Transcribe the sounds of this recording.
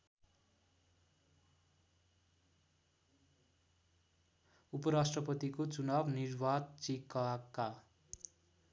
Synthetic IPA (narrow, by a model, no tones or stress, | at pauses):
upʌɾasʈrʌpʌt̪ikot͡sunabnirwat̪̚t͡sikakːa